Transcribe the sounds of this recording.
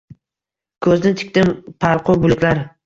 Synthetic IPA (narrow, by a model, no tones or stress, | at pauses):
kʰɵznɪt̪ʰɪ̥kʲt̪ɪmpʰalˠqʰʊbʊlɪkʲlaɾ